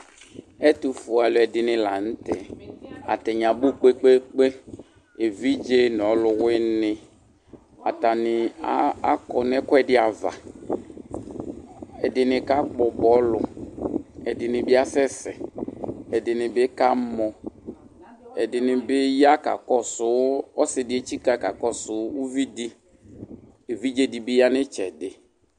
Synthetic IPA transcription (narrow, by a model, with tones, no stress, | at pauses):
ɛ˦t̪u˨fu˨a˨lʊ˨ɛ˨dɪ˨nɪ̃˨la˨n̩˦t̪ɛ˨a̰˨t̪ɛ˨ɲã˨bu˦k͡pe˦k͡pe˦k͡pe˦ | e˨vi˦d͡ʒe˦nɔ˨˦lʊ˨wɪ˦nɪ˨ | a˨ta˨nɪ˨˦a˦kɔ˨n˦ɛ˦kɔ˦ɛ˨dɪ˦a˨va̰˨ | ɛ˨dɪ˨nɪ˨ka˦k͡pɔ˨bɔ˨˦lʊ˨ | ɛ˨dɪ˨nɪ˨bɪ˦a˦sɛ˦sɛ˨ | ɛ˨dɪ˨nɪ˨bɪ˦ka˦mɔ˨ | ɛ˨dɪ˨nɪ˨bɪ˦ja˦ka̰˨kɔ˦sʊ˦ɔ˦sɪ˨dɪ˨˦e˨t͡ʃi˦ka˨ka˨kɔ˦sʊ˨˦u˦vi˦di˦ | e˨vi˦d͡ʒe˦di˨bɪ˦ja˦nɪ˦t͡ʃɛ˨dɪ˨